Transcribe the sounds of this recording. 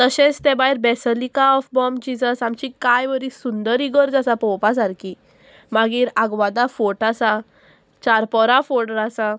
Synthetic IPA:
t̪əɕẽt͡st̪ɛ̃baɦiɾbɛsəlikaɔfbɔmd͡ʑid͡zəsamt͡ɕikajʋəɾisund̪əɾiɡəɾd͡zasapɔ̃wpas̬aɾkʰi | maɡiːɾaɡʋad̪afoʈasa | t͡ɕaɾpɔɾafoɽəɾasa

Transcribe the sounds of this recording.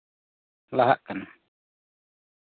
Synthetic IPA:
laɦa̰ʔkan

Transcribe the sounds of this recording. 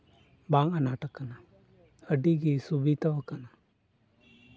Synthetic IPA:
baŋanaːʈakːana | əɖiɡisubit̪aʋəkana

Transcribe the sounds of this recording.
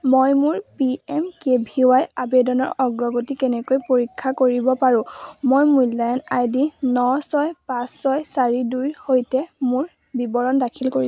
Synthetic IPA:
mojmuɹpiɛmkebʱiwajabedɔnɔɹɔɡɹɔɡotikɛnɛkojpoɹikʰːakoɹibɔpaɹʊ̃mojmujlːajɔnajdinɔsɔjpãsːɔjsaɹiduɹhojtɛmʊɹ | bibɔɹɔndakʰilkoi

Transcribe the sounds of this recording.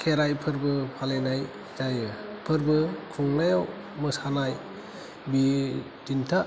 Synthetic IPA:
kʰeɾajpʰɯɾbɯpʰalenaj | d͡ʒajɯpʰɯɾbɯkʰuŋnajaw | mɯsanaj | bi | dintʰa

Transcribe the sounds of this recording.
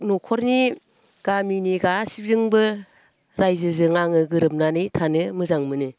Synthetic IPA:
nɔkʰɔɾni | ɡ̥aminiɡasib̚zɯŋbɯ | ɾajzɯzɯŋaŋɯɡɯɾɯp̚nanɯjtʰanɯmɯzaŋmɯnɯ

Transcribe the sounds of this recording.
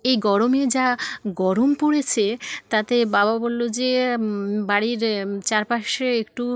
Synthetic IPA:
ejɡɔɾomed͡ʑaɡɔɾompoɽet͡ɕʰet̪at̪ebababolːod͡ʑe | baɽiɾt͡ɕaɾpaʃeekʈu

